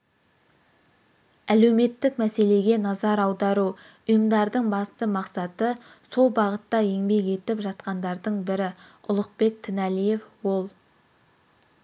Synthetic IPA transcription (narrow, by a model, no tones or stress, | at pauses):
æle̞wme̞t̪ːɪkmæse̞le̞ɡʲe̞nɑzɑɾɑwd̪ɑɾu | ʊjəmd̪ɑɾd̪əɴbɑst̪əmɑqsɑt̪ə | so̞lˠbɑʁət̪ːɑeŋbe̞ke̞t̪ɪpʒɑt̪qɑnd̪ɑɾd̪əɴbɪɾɪʊlˠəq̚be̞k̚t̪ʰɪnælije̞fwo̞lˠ